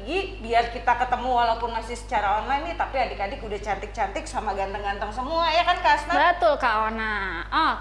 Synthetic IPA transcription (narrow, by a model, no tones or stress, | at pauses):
ɡibiarkit̪akət̪əmuwalaupʊnmasɪsə̥t͡ʃaɾaɔnlajnit̪apiɦadikadɪkudaht͡ʃant̪ɪk̚t͡ʃant̪ɪksamaɡant̪əŋɡant̪əŋsəmuajakankasnabət̪ʊlkaʔonaɔ